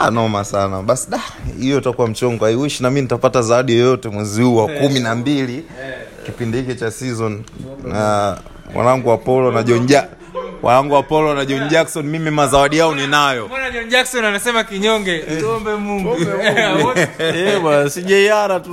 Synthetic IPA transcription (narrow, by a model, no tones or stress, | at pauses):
a̰nɔmasana̰ɓasiɗahijɔtakuwam̩t͡ʃɔŋɡɔaiwiʃinamiinitapatazawaɗijɔjɔtɛmwɛzihuwakuminambilikipindihikit͡ʃasizɔnna | wa̰naŋɡuapɔlɔnaʄɔnʄa | wa̰aŋɡuapɔlɔnaʄɔnʄaksɔnmimimazawaɗiaɔninajɔanaʄɔnd͡ʒaksɔnanisɛmakiɲɔŋɡɛɔmbɛmuŋɡu | ɛɓanasiʄaiaɾatu